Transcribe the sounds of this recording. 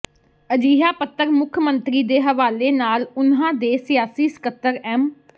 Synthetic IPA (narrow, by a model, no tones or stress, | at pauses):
əd͡ʒiːɦaːpət̪ːəɾmʊkʰmənt̪ɾiːd̪eːɦəʋaːleːnaːlʊnɦãːd̪eːsɪjaːsiːsɪ̥kət̪ːəɾɛːm